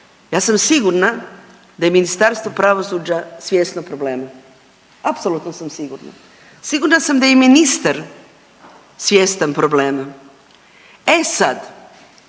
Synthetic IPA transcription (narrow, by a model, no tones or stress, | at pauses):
jaːsamsiɡuɾna | d̪ajeminist̪aɾst̪ʋo̞pɾaʋosud͡ʑasʋʲjeːst̪nopɾobleːma | apsolut̪nosamsiɡuɾna̰ | siɡuɾnasamd̪ajeminist̪aɾ | sʋʲjeːst̪anpɾobleːma | esad̪